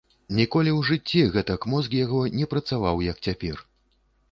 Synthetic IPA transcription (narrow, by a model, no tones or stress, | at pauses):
nʲikɔlʲiwʐɨt͡sʲːiɣɛt̪ɐkmɔzkjaɣɔnʲɛpɾɐt̪savawjɐkt͡sʲapʲɛr